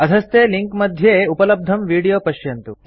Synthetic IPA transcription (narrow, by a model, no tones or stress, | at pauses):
ɐd̪ʱɐst̪eːliŋkmɐd̪ʱjeːupɐlɐb̚d̪ʱɐmʋiːɽijoːpɐʃjɐnt̪u